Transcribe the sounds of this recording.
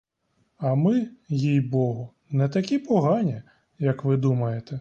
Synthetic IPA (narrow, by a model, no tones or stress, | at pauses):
ɐmɪjijbɔɦʊ | nɛt̪ɐkʲipɔɦɑnʲi | jɐkʋɪd̪umɐjet̪ɛ